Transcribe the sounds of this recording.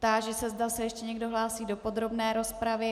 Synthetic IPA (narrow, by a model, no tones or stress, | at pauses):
t̪aʒɛsɛzdasɛjɛʃcɛɲɛɡdo̞ɦlaːsiːdo̞po̞d̪ɾo̞bnɛːɾo̞spɾavɪ